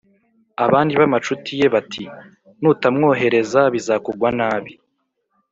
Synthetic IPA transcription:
aβaːndiβamat͡ʃutije̞βatʰi | nuːtamŋo̞ːɦe̞ɾe̞zaβizaːkuɡwanaːβi

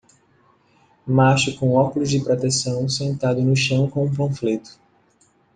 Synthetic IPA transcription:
maʃʊkõw̃ɔkʊlʊzd͡ʒɪpɾot̪esɐ̃w̃sẽnt̪ad̪ʊnʊʃɐ̃w̃kõũplõflet̪ʊ̥

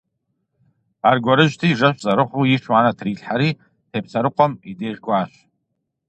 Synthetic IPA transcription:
arɡʷaɾɨʒʷᶣtʰiːʐaɕʷzaɾɨχʷuiʂʰwaːnatʰriːɬħaɾi | tʰep̚ʰsʰaɾɨqʷʼɔmideːʒɡʷʼaːʃʷ

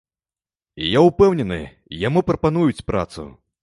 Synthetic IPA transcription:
jaupɛwnʲɛnɨ̰ | jamupɾɐpanujut͡sʲpɾa̰t̪sṵ

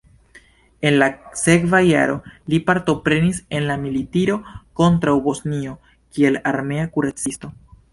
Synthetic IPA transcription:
e̞nlase̞kvaja̰ɾo̞lipaɾto̞pɾe̞nise̞nlamilitiɾo̞ko̞ntɾawbo̞snio̞ | kie̞laɾme̞akuɾat͡sisto̞

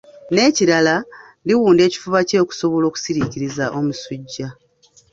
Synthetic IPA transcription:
ne̞ːciɾala | liwuːnde̞ːci̥fuβace̞ːku̥so̞βo̞lo̞ːku̥siɾiciɾizaʔo̞musuɟːa

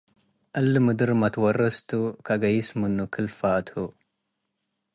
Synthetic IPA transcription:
ʔɐlːɨmɨd̪ɨɾmɐt̪wɐrɐst̪ʰukʰɐɡɐjɪsmɨnːukʰɨlfat̪hu

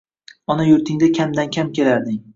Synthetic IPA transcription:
ɒnajʊɾt̪ʰɪŋd̪akʲʰamd̪ankʲʰamkʲʰe̞laɾd̪ɪŋ

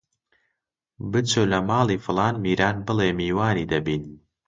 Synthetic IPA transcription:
bɨt͡soːlɐmaːlˠiːfɨlˠɑːnmiːɾaːnbɨlemiːwaːniːd̪ɐbiːn

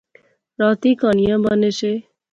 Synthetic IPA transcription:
ɾʌt̪ikʌnijãbʌnese

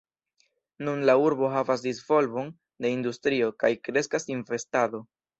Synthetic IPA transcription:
nunlauɾbo̞ɦavasdizvo̞lbo̞n | de̞industɾio̞kajkɾe̞skasinve̞stado̞

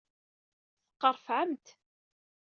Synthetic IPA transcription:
θə̥qːəɾˤfʕəmt̪

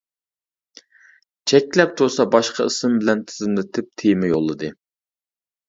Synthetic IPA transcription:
t͡ʃʰɛkʲlɛp̚t̪ʰuɾsɑbɑʃqɑisɪmbɪlɛnt̪ʰɪzɪmlɪt̪ʰɪp̚t̪ʰejmɪjolˠːɨd̪ɨ

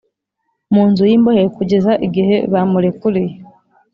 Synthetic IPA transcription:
muːnzujiːmbohekuɟezaʔiɡihe̞βamulekuɾije

